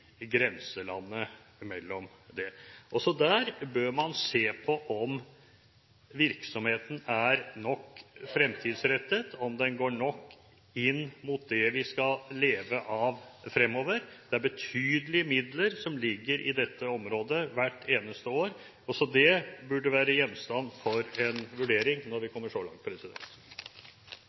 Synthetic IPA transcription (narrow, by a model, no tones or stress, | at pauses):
ɡɾɛnsəlɑ̰nːə | mɛlːɔm | d̪ɛʔɔsɔd̪æːɾbøːɾmɑnseːpʰɔʔɔm | ʋɪɾksɔmheːt̪ən̩æɾnɔkːfɾɛmt̪ʰiːd̪sɾɛt̪ːət̪ʰɔmd̪ɛnɡoːɳɔkː | ɪnːmut̪̚d̪ɛʋɪskɑlleːʋəʔɑʋfɾɛmːɔːʋəɾd̪̥ɛæɾbət̪ʰyːd̪əlɪəmɪd̪ləɾsɔmlɪɡːəɾʔɪ̰d̪ɛt̪ʰːəɔmɾoːd̪əʋæʈːeːnəst̪əoːɾ | ɔsɔd̪ɛbʉɖːəʋæːɾəjɛnːst̪ɑnːfɔɾɛnʋʉɖeːɾɪŋnɔɾʋɪkʰɔmːəʂɔlɑ̰ŋt̪̚pʰɾɛsɪd̪ɛ̰nt̪